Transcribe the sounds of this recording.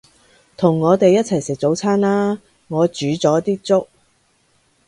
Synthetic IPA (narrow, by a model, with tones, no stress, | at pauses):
t̪ʰʊ˨˩ŋːɔː˨˧t̪e˨jːɐ˥t̚t͡sʰɐ˨˩jsɪ˨k̚t͡so˨˥wt͡sʰaː˥nlaː˥ | ŋɔː˨˧t͡ʃyː˨˥t͡sɔː˨˥t̪iː˥k̚t͡sʊ˥k̚